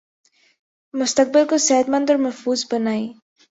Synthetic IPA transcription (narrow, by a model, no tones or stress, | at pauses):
mʊst̪ak̚bɪlkosɛːt̪mand̪ɔɾməfuːzbənaj